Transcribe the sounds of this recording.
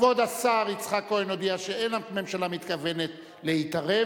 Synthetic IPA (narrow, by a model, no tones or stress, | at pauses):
o̞d̪asaʁit͡sχakːoenod̪iaʃeenlamme̞mʃalamit̪kave̞ne̞t̪ | leitaʁe